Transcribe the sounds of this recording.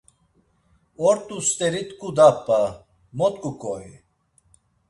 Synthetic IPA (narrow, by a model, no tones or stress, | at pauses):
ɔɾt̪ʼust̪ʼɛɾit̪ʼkʼud̪apʼːa | mɔt̪kʼukʼɔi